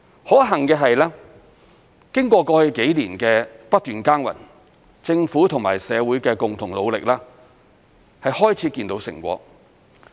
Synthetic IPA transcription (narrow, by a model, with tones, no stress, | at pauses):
hɔː˨˥ɦɐ˨˩ŋkɛː˧ɦɐ˨jlɛː˥ | kɪ˥ŋkʷɔː˧kɔː˧hɵ˨˧jke˨˥jliː˨˩nkɛː˧pɐ˥t̚t̪yː˨˩nkaː˥nwɐ̰˨˩n | t͡sɪ˧ŋfuː˨˥t̪ʰʊ˨˩ŋma̰ː˨˩jsɛː˨˧wuː˨˥jkɛː˧kʊ˨ŋt̪ʰʊ˨˩ŋlo˨˧wlɪ˨k̚laː˥ | hɐ˨jhɔː˥jt͡sʰiː˨˥kiː˧nt̪o˨˥wsɪ̰˨˩ŋkʷɔ̰ː˧